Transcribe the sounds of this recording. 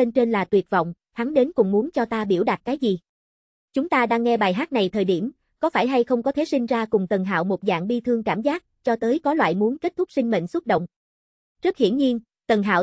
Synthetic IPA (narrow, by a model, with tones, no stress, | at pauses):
e˧nt͡ɕe˧nlaː˨˩t̪wi˨˩ət̚vɔ̰˧˨wŋ͡m | ha˨˦ŋɗe˨˦nkʊ̰˧˩ŋ͡mmu˨˦nt͡ɕɔ˧t̪aː˧ɓi˧˩əwɗa˨˩t̚kaː˨˦jzi˨˩ | t͡ɕʊ˨˦ŋ͡mt̪aː˧ɗaː˧ŋːɛ˧ɓaː˨˩jɦaː˦˥t̚na˨˩jt̪ʰəː˨˩jɗi˧˩əm | kɔ˨˦faː˧˩jɦa˧jxə˧wŋ͡mkɔ˨˦t̪ʰe˨˦si˧ŋ̟zaː˧kʊ˨˩ŋ͡mt̪ə˨˩nɦa̰ː˧˨wmo˨˩t̚za̰ː˧˨ŋɓi˧t̪ʰɨ˧əŋkaː˧˩mzaː˦˥t̚t͡ɕɔ˧t̪əː˨˦jkɔ˨˦lwa̰ː˧˨jmu˨˦ənke˦˥t̚t̪ʰʊ˦˥k̚sï˧ŋ̟mḛ˧˨ŋ̟sʊ˦˥t̚ɗə̰˧˨wŋ͡m | t͡ɕɨ˦˥k̚hḭ˧˩ənɲi˧ən | t̪ə˨˩nɦa̰ː˧˨w